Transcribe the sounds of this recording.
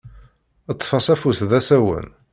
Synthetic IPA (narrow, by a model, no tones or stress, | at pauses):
ət̪ˤːfɑsæfuθðæsæwə̰n